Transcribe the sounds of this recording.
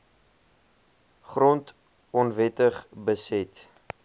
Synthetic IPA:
χrɔnt | ɔnvɛtəχbəsɛt

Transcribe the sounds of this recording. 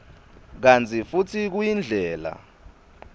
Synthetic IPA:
k̬ant͡sʰʼifutʰik̬ujind͡ɮʱɛːla̰

